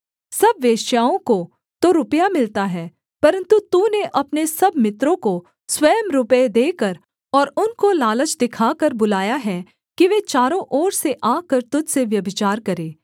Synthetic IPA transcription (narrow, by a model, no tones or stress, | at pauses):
sɐbʋeːʃjaːõko | t̪oɾʊpjamɪlt̪aɦɛː | pɐɾə̃nt̪ut̪uːneʔɐpnesɐbmɪt̪ɾõko | swɐjəmɾʊped̪eːkɐɾ | ɔːɾʊnkolaːlət͡ʃd̪ɪkʰaːkɐɾbʊlaːjaɦɛː | kiʋet͡ʃaːɾõʔɔːɾseʔaːkɐɾt̪ʊd͡ʒseʋjɐbɪt͡ʃaːɾkɐɾeː